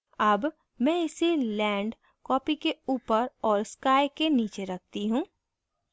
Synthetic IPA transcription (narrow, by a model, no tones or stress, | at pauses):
ɐb | mɛ̃ɪselɛ̃ːɳɖ | kɔːpikeuːpəɾɔːɾskaːjkeniːt͡ʃeɾɐk̚ʰt̪iɦũː